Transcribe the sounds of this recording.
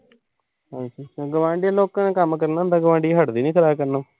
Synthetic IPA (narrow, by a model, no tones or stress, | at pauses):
ɦãisiɡəʋãːɳɖiãloːkːãːnekəmkəɾnaːnd̪aːɡəʋãːɳɖiːɦəʈd̪iːnĩːkʰəɾaːbkəɾnoː